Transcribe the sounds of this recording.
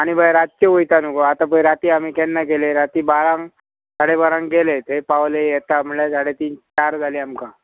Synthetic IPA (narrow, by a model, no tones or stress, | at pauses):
aɽ̃ibʱajɾat̪̚keʋujt̪anukoat̪ãp̬əjɾat̪iːamiːkenːak̬eleɾat̪iːbaɾãŋ | saɽebaɾãŋɡelet̪epawlejet̪am̤əɭesaɽet̪iːnt͡ɕaɾd͡zʱaliːamka